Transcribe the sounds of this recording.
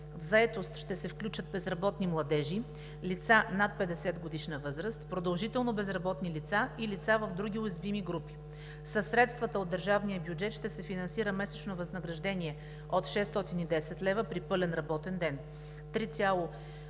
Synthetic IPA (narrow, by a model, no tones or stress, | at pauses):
vzɐɛt̪ost̪ʃt̪ɛsɛfklʲut͡ʃət̪̚bɛzɾɐbɔt̪nimlˠɐd̪ɛʒi | lit̪sanat̪̚pɛd̪ɛsɛt̪ɡod̪iʃnəvɤzɾəst̪pɾod̪ɐlˠʒit̪ɛlˠnobɛzɾɐbɔt̪nilit̪sailit̪savəvd̪ɾuɡʲiʊjɛzvimiɡɾupi̥ | səsɾɛt̪st̪vət̪əod̪ːəɾʒavnijəbjud͡ʒɛt̪ʃt̪ɛsɛfinɐnsiɾəmɛsɛt͡ʃnovɐznəɡɾɐʒd̪ɛniɛ | ot̪ʃɛst̪ɔt̪inid̪ɛsɛt̪lɛvəpɾipɤlɛnɾɐbɔt̪ɛnd̪ɛn | t̪ɾit̪sʲalˠo